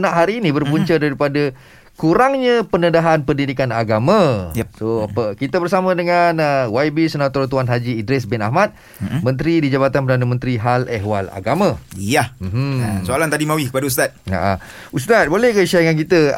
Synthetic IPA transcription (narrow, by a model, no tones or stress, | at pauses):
nãʔɦaɾiːnĩbərpuɲt͡ʃədaɾipadə | kuɾaŋɲə̃pənədaɦanpəndidikana̰ɡamə̃soapəkit̪əbərsamə̃dəŋanəwajbisənat̪ɔrt̪uanɦad͡ʒiːdɾɛs̬bɪna̰ɦmat̪̚ | mə̃nt̪ɾidid͡ʒabat̪anpərdanamə̃nt̪ɾiɦalɛɦwala̰ɡamə̃ijahm̩ɦ̩soalant̪adimawɪhkəpadaust̪at̪̚a̰ʔa̰ | ust̪at̪̚bolɛhkəʃajaŋank̬it̪ə